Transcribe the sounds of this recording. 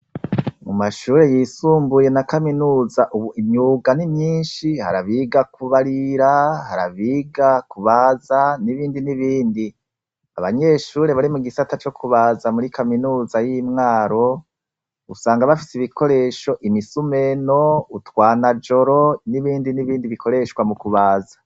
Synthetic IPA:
mumaʃuːɾe̞jiːsuːmbuje̞nakaminuːzaʔuβuimɲuːɡanimɲiːnʃihaɾaβiɡakuβaɾiɾahaɾa̰βiːɡakuβazaniβiːndiniβiːndi | a̰βaɲe̞ʃuːɾe̞βaɾimuɡisatat͡ʃo̞kʰuβazamuɾikaminuːzajimŋaːɾo̞ | usaːŋɡaβafisiβikʰo̞ɾe̞ʃo̞ʔimisume̞no̞utwaːnad͡ʒo̞ɾo̞niβiːndiniβiːndiβikʰo̞ɾe̞ʃwamukuβaːzḁ

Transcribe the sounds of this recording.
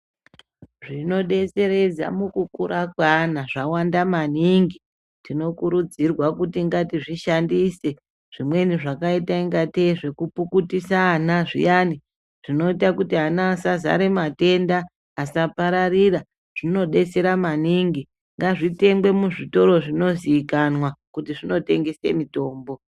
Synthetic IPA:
ʐino̞ɗe̞se̞ɾe̞d͡za̰mukukuɾakwanaʐawandamaniŋɡi | tino̞kuɾud͡zirwakutiŋɡatiʐiʃandise̞ | ʐ̥imwe̞niʐakaitaiŋɡateʐe̞kupukutisaːnaʐḭjani | ʐ̥ino̞itakutiɦanaːsaza̰ɾe̞mate̞ndaː | sapaɾarira | ʐ̥ino̞ɗe̞t͡se̞ɾamaniŋɡi | ŋɡaʐite̞ŋɡwe̞muʐito̞ɾo̞ʐino̞zikanwakutiʐino̞te̞ŋɡese̞̰mito̞ːmbo̞

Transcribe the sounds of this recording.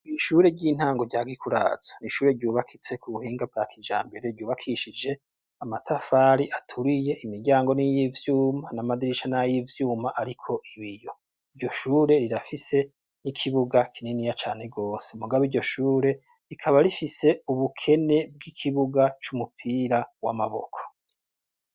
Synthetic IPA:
iʃuːɾe̞ɾɟiːn̥aːŋɡoɾɟaːɡikuɾa̰ːz̥ḁniʃuːɾe̞ɾɟuːβakʰit͡se̞kuβuhiːŋɡab̚ɡaːkʰid͡ʒa̰ːmbe̞ɾeɾɟuːβakʰiʃid͡ʒe̞ | amatafaɾiʔatʰuɾije̞ʔimiɾɟaːŋɡo̞nijivjuːmanamadiɾiʃanajivjuːmaʔaɾikʰo̞ʔiβijo̞ | iɾjo̞ʃuːɾe̞ɾiɾafise̞ | nikʰiβuɡakʰininijat͡ʃaːne̞ɡo̞ːse̞umuɡaβiːɾɟo̞ʃuːɾe̞ | ɾikʰaβaɾifise̞uβukʰe̞ne̞b̚ɡikʰiβuɡat͡ʃumupʰiːɾawa̰maβo̞̰kʰo̥

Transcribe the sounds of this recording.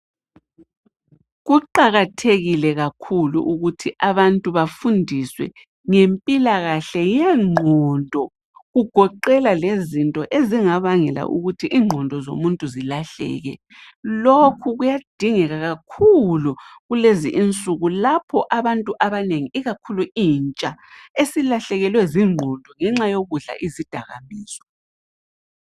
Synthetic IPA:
ɣuǃaɣatʰeɣilɛɣakʰulṵʔuɣutʰiʔaβantʼuβafundʱiswɛ̰ | ŋempʼilaɣaɬɛjɛŋ͡ǃʱɔndʱɔ | ɣuɡ̥ʱɔǃɛlalezintʼɔʔeziŋaβaŋɛla̰ʔṵɣutʰiʔiːŋ͡ǃʱɔndʱɔzo̰muntʼuzilaɬɛ̰ɣɛ̰ | lokʰuɣujad̥ʱiŋɛɣaɣakʰuluɣulezḭʔint͡sʼuɣulapʰɔʔaβantʼuʔaβaneŋiiɣakʰuluint͡ʃʼaesilaɬɛɣɛlwɛziŋ͡ǃʱɔndʱɔŋɛŋ͡ǁajoɣuɮa̰ʔizid̥ʱaɣa̰miːsɔ̥

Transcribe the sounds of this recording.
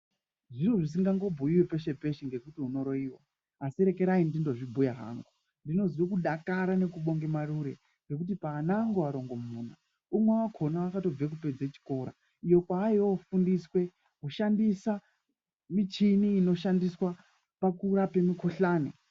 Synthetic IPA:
ʐiroʐis̬iŋɡaŋɡo̞bʱuiwepe̞ʃe̞pe̞ʃiŋɡe̞kutiuno̞ɾo̞iwa̰ː | siɾe̞ke̞ɾaindindo̞ʐibʱujaɦa̰ːŋɡo | ndino̞ziwekuɗakaɾane̞kuɓo̞ŋɡemaɾuɾe̞ | ŋɡe̞kut̬ipaːnaːŋɡoaɾo̞ŋɡo̞muːna | umwewakʰo̞nawakato̞b͡vek̬upe̞d͡zet͡ʃi̥ko̞ɾa̰ | ijo̞kwaːjofundiswe̞ | kuʃandisa | mit͡ʃiniːno̞ʃandiswa | pakuɾape̞mikʰoɬaːnḛ

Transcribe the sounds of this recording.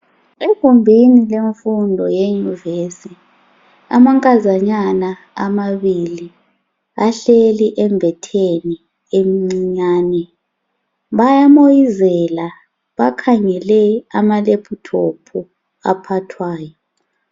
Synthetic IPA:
ekʼumbʱinileɱfundʱɔjeɲuivesi | a̰maŋkʼazaɲanaː | maβili | aɬeliʔɛmbʱɛtʰeni | emiŋ͡ǀiɲaːnɛ | βajamojizɛla | βakʰaŋɛlɛamalepʰutʰopʰu | a̰pʰatʰwaːjɔ

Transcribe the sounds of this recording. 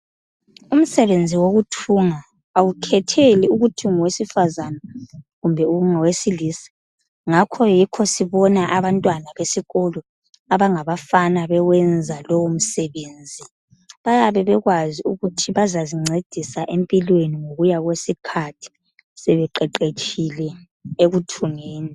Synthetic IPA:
um̩sɛβend͡zʱiwoɣutʰuːŋaː | wukʰɛtʰeliuɣutʰiŋɔwesifazanaɣumbʱɛuŋɔwesiliːsɛ̥ | ŋakʰɔjikʰɔsiβɔnaʔaβantʼwanaβesiɣolɔ | aβaŋaβafanaβɛɣwɛnd͡zʱalowum̩sɛβeːnd͡zʱi | βajaβɛβɛɣwaziuɣutʰiβazaziŋ͡ǀed̥ʱisaʔempʼilweniŋoɣujaɣwesikʰatʰi̥ | sɛβɛǃɛǃet͡ʃʰʼilɛ | eɣutʰuŋeːni

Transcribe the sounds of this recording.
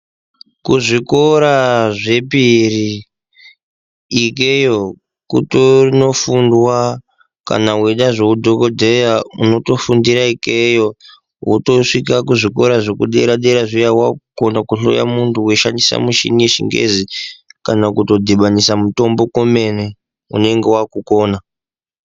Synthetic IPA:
kuʐiko̞ɾaʐe̞piri | kejo | kutorino̞fundwa | ka̰naweɗaʐe̞udʱo̞kodʱejauno̞to̞fundiɾaikejo̞ | wuto̞ʂikakuʐiko̞ɾaʐokuɗeɾaɗeɾaʐijawakonakuɬo̞̰ja̰muntʰuwe̞ʃandisa̰muʃḭnijeʃḭŋɡḛzikanakuto̞dʱiɓanisamuto̞mbo̞ko̞me̞ne | ṵne̞ŋɡe̞wakuko̞ːna

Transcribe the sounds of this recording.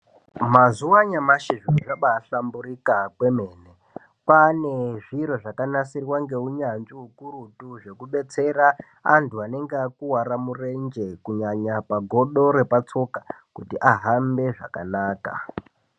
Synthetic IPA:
mazuwaɲamaʃiʐioʐaɓaːɬambuɾikakwe̞me̞ːne | pane̞ʐiɾo̞ʐakanasirwaŋɡe̞uɲand͡ʒiɦukuɾutuʐe̞kuɓe̞t͡se̞ra | a̰ntuane̞ŋɡeakuwaɾamurend͡ʒe̞kuɲaɲapaɡʱo̞ɗo̞ɾe̞pat͡so̞kakutiʔaɦambe̞ʐakanaːka̰

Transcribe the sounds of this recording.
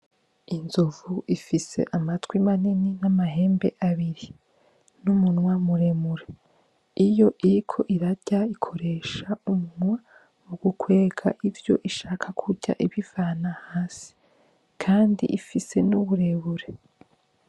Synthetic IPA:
inzuvuʔifise̞̰ʔamatwimanininamaɦe̞ːmbe̞ʔaβiɾi | numunwamuɾemuɾe | ijo̞ʔiɾikʰo̞ʔiɾaɟ̥aikʰo̞ɾe̞ːʃaumunwa | muɡukwe̞ːɡa̰ʔivjo̞̰ʔiʃaːkʰakʰuɟa̰ʔiβivaːnahaːsi̥ | kʰaːndḭʔifise̞nuβuɾe̞βuɾe̞

